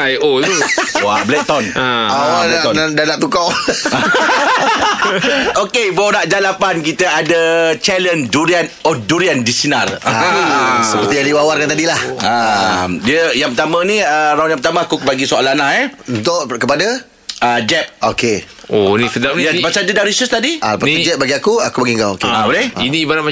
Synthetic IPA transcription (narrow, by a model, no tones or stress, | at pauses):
ajowablɛt̪ɔnaaaɔadanaʔt̪ukawa | okeboʔɾaʔd͡ʒalapankit̪əadət͡ʃɛlənduɾianɔduɾiandisinar | səpərt̪ijaliwawarkant̪adilahamdiəjaŋpərt̪amə̃nĩəɾawnjaŋpət̪amãakubaɡisoalanahɛunt̪ʊʔkəpada | əd͡ʒɛp̚oke | onĩsədamnjabasadədaɾisəst̪adia̰pəid͡ʒɛp̚baɡiakuakubəɡiŋɡaokeaboleinĩbanam